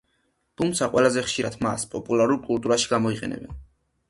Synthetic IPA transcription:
t̪ʰumt̪sʰaqʼwɛlˠazɛχʃiɾad̪ʰma̰spʼɔpʼulˠaɾuɾkʼulˠt̪ʼuɾaʃi̥ɡamɔiqʼɛ̰nɛ̰bɛ̰n

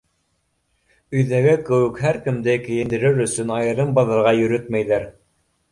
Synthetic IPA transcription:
ɵ̆jðæɡɘkɘ̆wɘkɦæɾkɘ̆md̪ɘkɘ̆jɘ̆nd̪ɘ̆ɾɘɾɵ̆sɵnɑjɤ̆ɾɤmbɑðɤ̆ɾʁɑjɵ̆ɾɵt̪mæjðæɾ

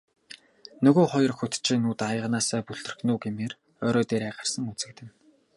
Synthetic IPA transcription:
nɵɣoːχɔjɞ̆rxɵt̪t͡ɕʰiːnuːt̪ajə̆ʁnaːsæːpuɮt̪ɘ̆rxnuːɡemeːr | œːɾɔːt̪eːɾæːʁə̆rsə̆ŋut͡sɘ̆k̚t̪ɘ̆n

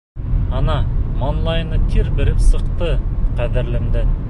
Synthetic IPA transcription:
ɑnɑmonlˠɑjnət̪ʲʰeɾbɪɾɪpsəqt̪əqʰæd̪ɪɾlɪmd̪ɪ

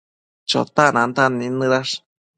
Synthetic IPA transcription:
t͡ʃo̰t̪anãnt̪anĩnɨɾaʂ

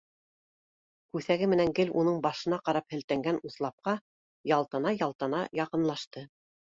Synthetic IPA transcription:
kʉθæɡɘmɘ̆næŋɡɘlunɤɴbɑʃɤ̆nɑqɑɾɑphɘ̆lt̪æŋɡænuθlˠɑp̚qɑ | jɑlˠt̪ɤ̆nɑjɑlˠt̪ɤnɑjɑqɤ̆nlˠɑʃt̪ɤ

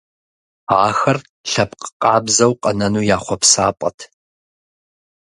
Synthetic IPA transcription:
aːxɐr | ɬɐpqʼə̥qʼɑːbzɐwqʼɐnɐnuːjaːχʷɔpsaːpʷʼɐ̰tʰ

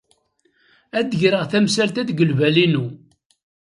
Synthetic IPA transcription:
æd̪əʝɾəʁθæmsælt̪æθɡəlvælinu

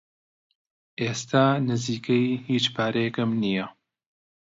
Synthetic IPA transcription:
ʔeːst̪ʰaːnɨziːkʰɐjhiːt͡ʃpʰaːɾɐjɛkɐmnijɐ

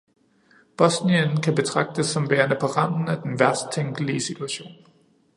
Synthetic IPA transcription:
b̥ɒ̽sniənkʰæb̥e̝t͡sʰʁɑ̈ɡ̥̚d̥əsːɒ̽mʋeːɐnəpʰɒ̽ʁɑn̰n̩æd̥enʋæɐd̥st͡sʰeŋɡ̥liəsit͡sʰuæɕo̝̰ːn

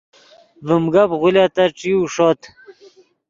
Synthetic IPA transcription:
vəmɡabʁulat̪aʈ͡ʂiuʂot̪

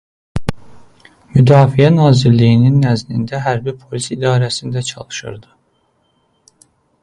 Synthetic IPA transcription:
myd̪ɑːfiænɑːziɾlijininːæzlind̪æɦæɾbipʰo̞lisid̪ɑːɾæsind̪æt͡ʃʰɑ̰lˠɯ̥ʃɯ̰ɾd̪ɯ

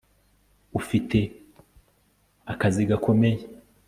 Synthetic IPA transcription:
ufitʰe̞ | akaziɡakʰo̞me̞je

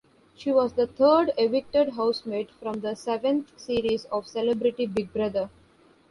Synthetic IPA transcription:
ʃiːʋɔːzd̪ət̪ʰəːɖeʋɪk̚ʈəɖɦaʊsmeːɖfɾɔ̃md̪əsɛʋə̃nt̪siːɾizɔːʋsɛlebɾɪʈibɪɡ̚bɾʌd̪əɾ

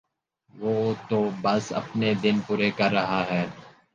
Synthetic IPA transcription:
ʋoːt̪obɐsɐ̰pned̪ɪnpuːɾekɐɾːɐɦaɦɛː

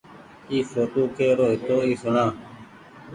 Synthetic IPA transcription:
iːfoːʈoːkeːɾoːɦɪt̪oːiːsʊɳãː

